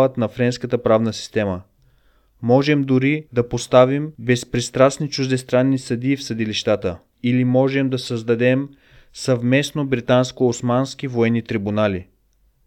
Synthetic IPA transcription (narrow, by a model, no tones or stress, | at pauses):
vət̪nɐfɾɛnskət̪əpɾavnəsi̥st̪ɛmə | mɔʒɛmd̪ʊɾid̪ɐpost̪avimbɛspɾist̪ɾasnit͡ʃuʒd̪ɛst̪ɾanːisɐd̪iːfsɐd̪iliʃt̪at̪ə | ilimɔʒɛmd̪ɐsəzd̪ɐd̪ɛm | sɐvmɛsnobɾit̪anskoosmansk̟ivoɛnːit̪ɾibunali